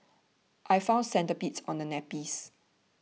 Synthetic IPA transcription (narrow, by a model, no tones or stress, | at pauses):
ʔajfãʊ̃nsɛ̃ntəpitsɔ̃ndənɛpis